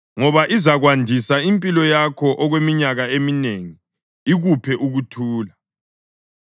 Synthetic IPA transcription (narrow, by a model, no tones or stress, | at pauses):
ŋɔβaʔizaɣwandʱisaimpʼilɔjakʰɔʔɔɣwemiɲaɣaemineŋi | iɣupʰɛʔuɣutʰuːla